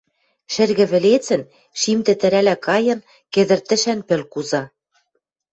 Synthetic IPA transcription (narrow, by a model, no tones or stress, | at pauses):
ʃɘ̆rɣɘ̆βɘ̆let͡sɘ̆n | ʃimt̪ɘ̆t̪ɘ̆ɾælækɑjɤ̆n | kĕðɘ̆rt̪ɘ̆ʃænpɘ̆lkuzɑ